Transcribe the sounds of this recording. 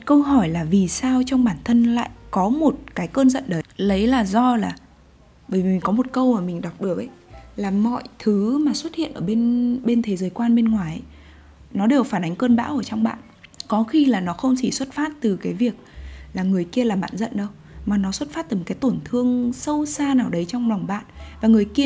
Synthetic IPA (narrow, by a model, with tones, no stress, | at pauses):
kə˧wɦɔ˧˩jlaː˨˩vi˨˩saː˧wt͡ɕɔ˧wŋ͡mɓaː˧˩nt̪ʰə˧nla̰ː˧˨jʔkɔ˨˦mo˨˩t̚kaː˨˦jkəː˧nzə̰˧˨nɗə˨˦lə˨˦jlaː˨˩zɔ˧laː˨˩ | ɓəː˧˩jvmï̟˨˩kɔ˨˦mo˨˩t̚kə˧wmaː˨˩mï˨˩ŋ̟ɗa˨˩wk͡p̚ɗɨ˨˩ək̚ə˧˦jlaː˨˩mɔ̰˧˨jt̪ʰɨ˨˦maː˨˩swə˦˥t̚hḭ˧˨ənʔəː˧˩ɓe˧nɓe˧nt̪ʰe˨˦zəː˨˦jkwaː˧nɓe˧nŋwaː˨˩jʔə˨˦j | nɔ˨˦ɗe˨˩wfaː˧˩nʔa˨˦ŋ̟kəː˧nɓa̰ː˧˥wʔəː˧˩t͡ɕɔ˧wŋ͡mɓa̰ː˧˨n | kɔ˨˦xi˧laː˨˩nɔ˨˦xə˧wŋ͡mt͡ɕi˧˩swə˦˥t̚faː˦˥t̚t̪ɨ˨˩kaː˨˦jvi˨˩ək̚laː˨˩ŋɨ˨˩əjki˧əlaː˨˩ɓa̰ː˧˨nzə̰˧˨nɗə˧w | maː˨˩nɔ˨˦swə˦˥t̚faː˦˥t̚t̪ɨ˨˩˨kaː˨˦jt̪o˧˩nt̪ʰɨ˧əŋsə˧wsaː˧naː˨˩wɗə˨˦jt͡ɕɔ˧wŋ͡mla˨˩wŋ͡mɓa̰ː˧˨nvaː˨˩ŋɨ˨˩əjki˧ə